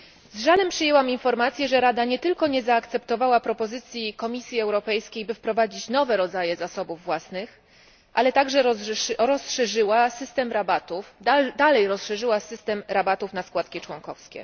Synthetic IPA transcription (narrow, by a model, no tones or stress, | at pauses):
zʐalɛmpʂɘjɛwaminfɔɾmat̪sʲjɛʐɛɾad̪aɲɛt̪ɘlkɔɲɛzaːkt̪sɛpt̪ɔvawapɾɔpɔzɘt̪sʲjikɔmʲisʲjiɛwɾɔpɛjskʲejbɘfpɾɔvad͡ʑit͡ɕnɔvɛɾɔd̪zajɛzasɔbuvːwasnɘx | ʔalɛt̪aɡʐɛɾɔsʂɛʐɘwasɘst̪ɛmɾabat̪ufd̪alɛjɾɔsʂɛʐɘwasɘst̪ɛmɾabat̪ufnaskwat̪kʲit͡ʂwɔŋkɔfskʲɛ̰